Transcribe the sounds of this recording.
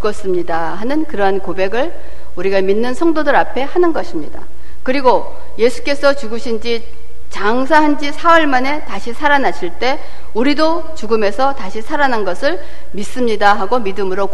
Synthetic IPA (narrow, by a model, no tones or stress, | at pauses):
t͡ɕuɡʌs͈ɯmɲida | ɦanɯnkɯɾʌɦankobe̞ɡɯɭ | uɾiɡaminːɯnsʰʌŋdodɯɾapʰe̞hanɯnɡʌɕʰimɲida̰ | kɯɾiɡo | je̞sʰu̥k͈e̞sʰʌt͡ɕuɡɯɕʰind͡ʑi | t͡ɕaŋsʰaɦand͡ʑisʰawʌɭmane̞taɕʰisʰaɾanaɕʰiɭt͈e̞ | uɾido | t͡ɕuɡɯme̞sʰʌtaɕʰisʰaɾananɡʌsʰɯɭ | mis͈ɯmɲidaɦaɡomidɯmɯɾo